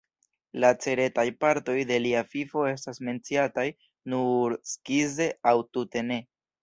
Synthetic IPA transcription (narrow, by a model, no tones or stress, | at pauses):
lat͡se̞ɾe̞tajpaɾto̞jde̞liafifo̞e̞s̬tasme̞nt͡siataj | nuɾskize̞awtute̞ne̞